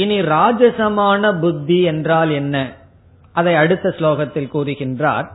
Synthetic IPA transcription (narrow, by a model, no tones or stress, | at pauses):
ɪniɾaːd͡ʒɐsɐmaːnɐbʊd̪ʱːiɛndraːlɛnːɐ | ʔɐðɐɪɐɽɯt̪ːɐsloːɣɐt̪ːɪlkuːrɯɣɪndra̰ːɾ